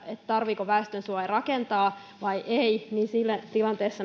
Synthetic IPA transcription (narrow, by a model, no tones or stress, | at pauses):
et̪t̪ɑrʋiːkoʋæest̪ønsuɑerɑkent̪ɑː | ʋɑiʔeiniːnsilːæt̪ilɑnt̪eːsːɑ